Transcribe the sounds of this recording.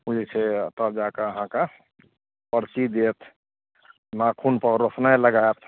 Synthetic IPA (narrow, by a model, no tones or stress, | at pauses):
mud͡ʒekʰet̪əd͡ʒakəəɦãka | pəɾsid̪et̪ʰ | nakʰunpəɾosnaləɡajt̪ʰ